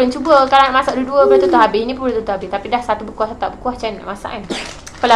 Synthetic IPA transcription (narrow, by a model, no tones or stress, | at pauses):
ɾənt͡ʃubəkalanaʔmasaʔduəduəbəɾat̪ut̪aɦabɪhinĩpəblat̪ut̪aɦabɪht̪apidahsat̪ubəkuahsat̪aʔbəkuaht͡ʃanna̰ʔmasa̰ʔan | kala